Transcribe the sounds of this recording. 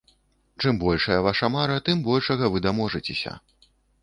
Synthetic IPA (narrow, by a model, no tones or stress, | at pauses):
t͡ʂɨmbɔlʲʂɐjɐvaʂɐmaɾɐt̪ɨmbɔlʲʂɐɣɐvɨd̪amɔʐɐt͡sʲɛsʲɐ̰